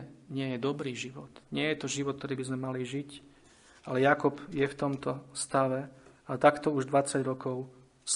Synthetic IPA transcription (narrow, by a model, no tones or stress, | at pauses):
ɲɪɛjɛd̪ɔbɾiːʒiʋɔt̪ɲɪɛjɛt̪ɔʒiʋɔt̪̚t̪ɔɾiːbizmɛmaliʒic | ʔalɛjakɔpjɛft̪ɔmt̪ɔst̪aʋɛat̪akt̪ɔuʒd̪ʋat͡saɟɾɔkɔʊ | s